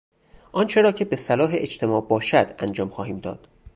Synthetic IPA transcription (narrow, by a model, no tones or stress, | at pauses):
ʔɒnt͡ʃʰe̞ɾɒːcʰe̞besælɒːɦeʔed͡ʒt̪ʰe̞mɒːʔbɒːʃæd̪̥ænd͡ʒɒːmxɒːhiːmd̪ɒ̰ːd̪̥